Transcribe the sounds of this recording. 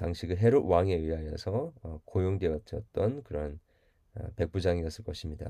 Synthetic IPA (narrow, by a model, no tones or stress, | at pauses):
taŋɕʰiɡɯɦeɾowaŋe̞ɥiɦajʌnsʰʌkojoŋdweʌt͡ɕʌt̚t͈ʌnkɯɾʌn | ʌ̰pe̞k̚p͈ud͡ʑaŋiʌs͈ɯɭk͈ʌɕʰimɲida̰